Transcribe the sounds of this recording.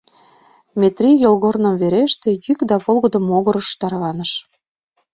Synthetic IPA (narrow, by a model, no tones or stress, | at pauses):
mʲet̪rʲijolɣornəmveɾeʃt̪ĕjykd̪ɑβolɣɤd̪ə̆moɣɤɾəʃt̪ɑrɣɑnəʃ